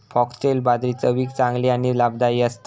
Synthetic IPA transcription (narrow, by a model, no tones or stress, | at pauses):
pʰɔksʈelbad̪ɾit͡səʋiːkt͡sãŋɡliaɽ̃ilabd̪aiəst̪